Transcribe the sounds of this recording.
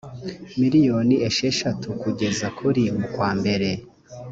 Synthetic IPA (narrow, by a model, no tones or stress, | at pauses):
miɾijo̞ːnieʃeʃatʰukuɟe̞zakʰuɾimukwaːmbe̞ɾe̞